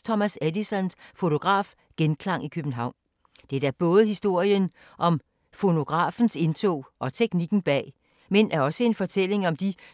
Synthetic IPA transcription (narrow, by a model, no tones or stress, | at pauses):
t͡sʰɒ̽mæsædisɒ̽nsfo̝t͡sʰo̝ɡ̥ʁɑ̰̈ːf | ɡ̥enkʰlɑ̈ŋ̰ikʰøb̥n̩ɦɑ̈ʊ̰n | d̥ed̥æɐb̥ɔ̽ːð̞̩ˠhisd̥o̝ɐ̰jən | ʔɒ̽m | fo̝no̝ɡ̥ʁɑ̰̈ːfn̩se̝nt͡sʰɔ̰ːɒ̽t͡sʰeɡ̥niɡ̥n̩b̥ɛ̰ː | menʔæɐɒ̽səe̝nfɒ̽t͡sʰel̰e̝ŋɒ̽md̥i